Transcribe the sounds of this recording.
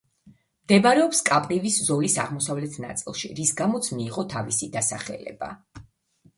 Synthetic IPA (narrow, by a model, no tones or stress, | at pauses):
md̪ɛbaɾɛɔpskʼapʼɾiviszɔlisa̰ʁmɔsavlɛt̪ʰna̰t̪sʼilˠʃḭɾisɡamɔt̪sʰmiːʁɔt̪ʰavisid̪asaχɛ̰lɛ̰b̥a̰